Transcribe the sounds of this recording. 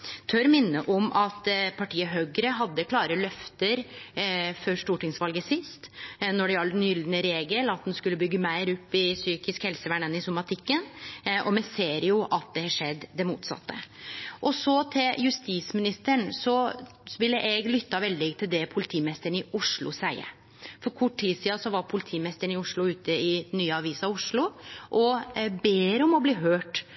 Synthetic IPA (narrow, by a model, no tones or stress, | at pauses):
t̪ʰœɾmɪnːəʔɔmʔɑt̪pʰɑʈʰiːəɦøːɡəɾəɦɑd̪ːəkʰlɑːɾəlœft̪əɾ | fɔɾʂʈuːʈɪŋsʋɑlɡəsɪst̪nɔɖɛɑlːnjʏld̪nəɾeːɡəlɑt̪̚d̪ɛnskʉlːəbʏɡːəmæɪɾʊpːɪsyːkɪskhɛlsəʋæɳɛnɪsʊmɑt̪ʰɪkːənʔɔmɛseːɾjʊʔɑt̪̚d̪ɛhɑʂɛd̪ːd̪ɛmuːt̪sɑ̰t̪ːə̰ʔɔsɔt̪ʰɪljʉst̪iːsmɪnɪst̪əɳsɔʋɪlːəʔɛɡlʏt̪ːɑʋɛld̪ɪt̪ʰɪld̪ɛpʰʊlɪt̪ʰiːmnɛst̪əɳɪʔʊʂɭʊ̰sæɪə̰ɾ | fɔɾkʰʊʈʰːiːsiːɑsɔʋɑɾpʰʊlɪt̪ʰiːmɛst̪əɳɪʊʂɭʊʉːt̪ʰəɪnːyːəɑʋiːsɑʋʊʂɭʊʔɔbeːɾɔmɔbliːɦøːʈ